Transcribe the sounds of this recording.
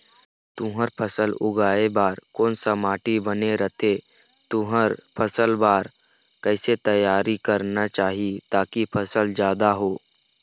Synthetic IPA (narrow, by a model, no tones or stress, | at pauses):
t̪ʊ̃ɦəɾpʰəsəlʊ̰ɡaːebaːɾkɔːnsəmaːʈibəneɾət̪ʰe | t̪ʊɦəɾpʰəsəlbaːɾ | kɛɪset̪əjːaːɾikəɾnat͡ʃaːɦiet̪aːkipʰəsəld͡ʒjaːd̪aɦoː